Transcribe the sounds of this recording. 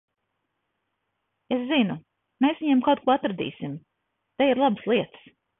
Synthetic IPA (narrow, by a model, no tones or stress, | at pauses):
eszinu | meːsviɲɛɛmkawt̪̚kuɔat̪ɾad̪ḭːsim | t̪ejiɾlˠabslˠiɛt̪s